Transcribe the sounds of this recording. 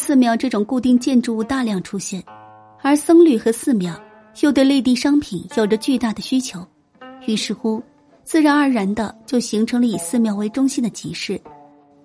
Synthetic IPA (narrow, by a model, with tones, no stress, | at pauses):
sɹ̩˥˧mjɑ˥˧ʊʈ͡ʂɤ˥˩ʈ͡ʂʊ˨˩ŋku˥˧t̪i˥˧ŋt͡ɕjɛ˥˧nʈ͡ʂu˥˧u˥˧t̪a˥˧ljɑ˥˩ŋʈ͡ʂʰu˥ɕjɛ˥˩n | ə˞˧˥sɤ˥ŋly˥˩xɤ˧˥sɹ̩˥˩mjɑ˨˩˦ʊ | t͡ɕjo˥˧ʊt̪we˥˧le˥˧ɪt̪̬i˥˩ʂɑ˥ŋpʰi˨˩njɑ˨˩ʊʈ͡ʂə˧˦t͡ɕy˥˧t̪a˥˩d̪ə˩ɕy˥t͡ɕʰjo˧˥ʊ | y˧˥˩ʂɻ̩˥˩xu˥ | t͡sɹ̩˥˩ɻa˧˥nə˞˧˥ɻa˧˥nd̪ə˧t͡ɕjo˥˩ʊɕi˧˥ŋʈ͡ʂʰɤ˧˥ŋlə˧i˨˩sɹ̩˥˩mjɑ˧˥ʊwe˧˥ɪʈ͡ʂʊ˥ŋɕi˥nd̪ə˨t͡ɕi˧˥ʂɻ̩˥˩